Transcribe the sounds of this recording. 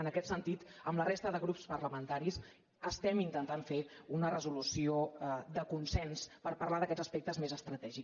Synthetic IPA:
ənəkɛt̪sənt̪it̪əmlərest̪əðəɣɾupspəɾləmənt̪aɾis | əst̪ɛmint̪ənt̪aɱfeunərəzulusiod̪əkunsɛnspəɾpəɾrlaðəkɛdd͡zəspek̚t̪əzmezəst̪ɾət̪ɛʒi

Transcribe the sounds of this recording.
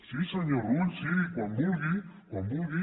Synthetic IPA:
sisaɲɔɾunsiɾikwambuvikwambuvi

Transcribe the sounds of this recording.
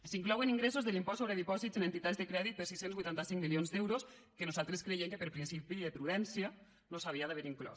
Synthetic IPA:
siŋklɔweniŋɡɾesozðelimpɔsoβɾeðipɔzit̪zenent̪it̪azðekɾɛðit̪̚pəɾsisenzβujt̪ant̪asiŋmilionzd̪ɛwɾos | kənuzalˠt̪ɾeskɾejemkepeɾpɾinsipiðepɾuðɛnsia | nosaβiaðaβeɾiŋklɔ̰

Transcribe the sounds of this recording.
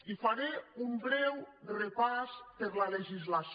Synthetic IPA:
ifaɾeumbɾɛwrepaspeɾlaleʒizlas

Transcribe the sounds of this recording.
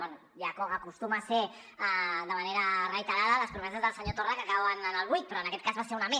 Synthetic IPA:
ono | jakoɣakust̪umase | d̪amaneɾarajt̪aɾaðalaspɾomesazðalsaɲot̪orakakaoananalɣujk̚pɾoenaket̪̚kazβaseuname

